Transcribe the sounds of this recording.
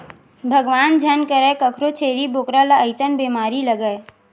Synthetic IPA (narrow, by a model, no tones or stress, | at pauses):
bʱəɡʋaːnd͡ʒʱənkəɾəkəkʰɾot͡ʃʰeːɾiboːkɾalaəɪsənbeːmaːɾiləɡəe